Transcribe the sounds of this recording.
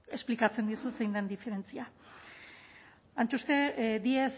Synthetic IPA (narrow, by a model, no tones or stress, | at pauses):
e̞splikat͡se̞nd̪isuse̞jnd̪end̪ife̞ɾe̞nt͡sia | ant͡ʃust̪e̞d̪ies